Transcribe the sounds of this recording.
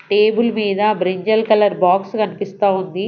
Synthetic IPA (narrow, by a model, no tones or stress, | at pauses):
ʈeːbulmiːd̪ɐbɾiɲd͡ʒɐlkɐlɐɾbaːkskɐnipist̪aːund̪i